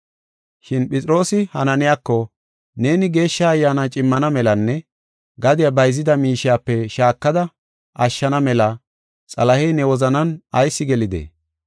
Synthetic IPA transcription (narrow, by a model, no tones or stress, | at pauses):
ʃɪnpɪt͡sʼɪɾo̞ːsɪhɐnɐnɪjakːɔ | ne̞ːnɪɡe̞ːʃːɐːjːaːnat͡ʃʼɪmːɐnɐmɛlɐnːɛ | ɡɐd̪ɪjabɐjzːɪd̪ɐmiːʃɪjaːpːɛʃaːkːɐd̪ɐ | ɐʃːɐnɐmɛlɐ | t͡sʼɐlɐhɛjnɛwɔzɐnɐnɐjsːɪɡɛlɪd̪ḛː